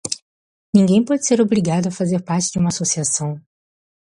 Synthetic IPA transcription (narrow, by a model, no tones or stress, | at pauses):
nĩŋɡẽj̃pɔd͡ʒɪseɾobɾiɡad̪ʊafazeɾpaɾt͡ʃɪd͡ʒɪũmɐasosiasɐ̃w̃